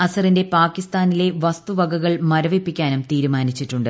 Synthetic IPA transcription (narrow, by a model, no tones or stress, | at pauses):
ɐsɐrinde̞paːkːist̪aːnile̞ʋɐst̪uʋɐɡɐɣɐɭmɐɾɐʋepːikʲːaːnumt̪iːɾumaːnit͡ɕːiʈːuɳɖɨ